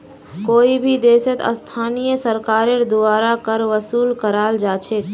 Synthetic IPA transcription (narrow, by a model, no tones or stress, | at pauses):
koːibʱid̪eːsət̪ə̰st̪ʰaːnijəsəɾkaːɾeɾd̪ʊaːɾakəɾʋəsuːlkəɾaːld͡ʒaːt͡ʃʰek̪